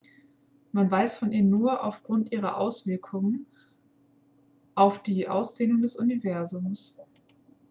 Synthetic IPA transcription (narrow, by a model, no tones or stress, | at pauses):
manvaɪsfɔnʔiːmnuːɐʔaʊfɡ̥ʁʊntʔiːʁ̞ɐ̰ʔa̰ʊsv̥ɪɐkʰʊŋən | ʔaʊfd̥iːʔa̰ʊsd̥eːnʊŋdɛsʔʊnivɛɐzʊms